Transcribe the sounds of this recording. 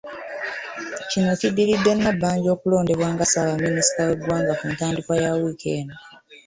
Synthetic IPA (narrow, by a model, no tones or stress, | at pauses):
cino̞cidːilidːenːabːaːɲɟo̞ːkulo̞ːnde̞βwaːŋɡasaβamːinisi̥tawedwaːŋɡakuːntaːndikwajawikʰeːno